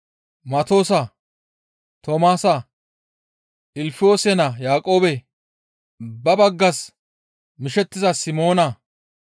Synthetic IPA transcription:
mɐt̪o̞ːsɐ | t̪omaːsɐ | ʔɪlfɪo̞ːsɛnɐjaːkʼo̞ːbɛ | bɐbɐɡːɐs | mɪʃɛt̪ːɪzɐsɪmo̞ːnɐ

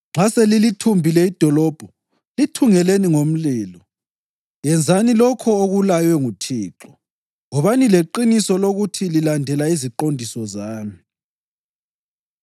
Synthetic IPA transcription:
ŋ͡ǁʱaselilitʰumbʱilɛid̥ʱɔlɔb̥ʱɔ | litʰuŋɛleniŋom̩liːlɔ | jɛnd͡zʱanilɔkʰɔoɣulajwɛŋutʰiːǁɔ | ŋɔβanileǃinisɔloɣutʰililandʱɛlaiziǃondʱisɔzaːmi

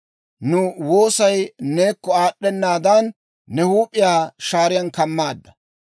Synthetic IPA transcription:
nʊwoːsɐjne̞ːkːɔaːɗːɛnːaːd̪ɐnː | ɛhuːpʼːɪjaːʃaːɾɪjɐnkɐmːaːd̪ːɐ̥

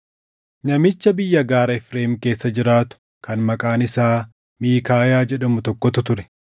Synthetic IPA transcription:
nɐmɪt͡ʃːɐbɪjːɐɡaːɾɐɪfɾeːmke̞ːsːɐd͡ʒɪɾaːt̪ʊ̥ | kɐnmɐkʼaːnɪsaː | miːkaːjaːd͡ʒɛᶑɐmʊt̪ɔkːɔt̪ʊt̪ʊɾɛ̥

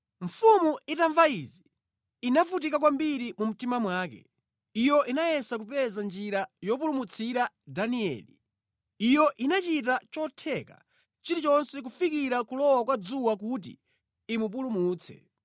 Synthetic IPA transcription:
ɱ̩fumuitaɱvaizi | inafut̬ikakwambiɾimum̩timamwaːkɛ̰ | ijɔʔinajɛsak̬upɛzand͡ʒiɾajɔp̬ulumut͡sʰiɾa | daniɛ̰li | ijɔʔinat͡ʃit̬at͡ʃɔtʰɛka̰ | t͡ʃiɾit͡ʃɔnsɛk̬ufikiɾakulɔwakwad͡zuwak̬ut̬ḭː | mup̬ulumuːt͡sʰɛ̰

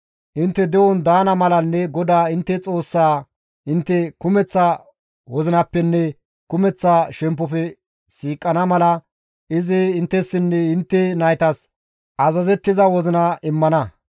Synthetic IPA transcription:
ʔɪnt̪ːɛd̪ɛwɔnd̪aːnɐmɐlɐnːɛɡɔd̪aːɪnt̪ːɛt͡sʼo̞ːsːaː | ʔɪnt̪ːɛkʊmɛt͡sːɐ | wɔzɪnɐpːɛnːɛ | kʊmɛt͡sːaʃɛmp̬ːɔfɛ | siːkʼːɐnɐmɐlɐ | ɪzɪɪnt̪ːɛsːɪnːɛhɪnt̪ːɛnɐjt̪ɐs | ʔɐzɐzɛt̪ːɪzɐwɔzɪnɐʔɪmːɐnɐ

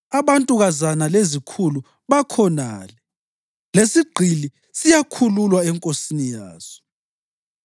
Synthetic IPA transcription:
aβantʼuɣazanalezikʰulu | βakʰɔna̰ːlɛ | lesiɡ͡ǀʱili | sijakʰululwaɛŋkʼosinijaːz̥ɔ̥

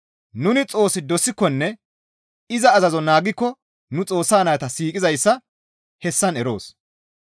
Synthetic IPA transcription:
nʊnɪt͡sʼo̞ːsɪd̪ɔsɪkːɔnːɛ | ɪzɐːzɐzɔnaːɡɪkːɔ | nʊt͡sʼo̞ːsːaːnɐjɐt̪ɐsiːkʼɪzɐjsːɐ | hɛsːɐnɛɾo̞̰ːs

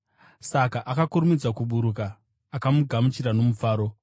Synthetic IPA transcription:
sakaʔakakuɾumid͡zwakuɓuɾukaː | kamuɡʱamut͡ʃiɾano̞mufaːɾo̞

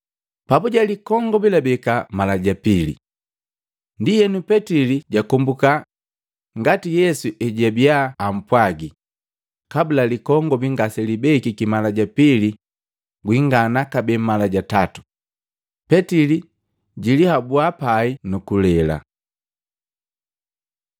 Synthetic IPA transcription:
pabuɟalikɔŋɡɔbilabɛkamalaɟapilḭ | ndijɛnupɛtiliɟakɔmbuka | ŋɡatijɛsuʔɛɟabiaːm̩pwaɡi | kabulalikɔŋɡɔbiŋɡasɛlibɛkikimalaɟapili | ɡwiŋɡanakabɛmalaɟatatu̥ | pɛtili | ɟilihabuapainukulɛla̰

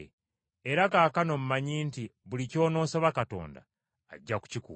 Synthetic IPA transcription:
eɾakaːkano̞m̩umaɲiːntiβulico̞ːno̞ːsaβakato̞̰ːnda̰ː | ɟːaku̥cikṵ

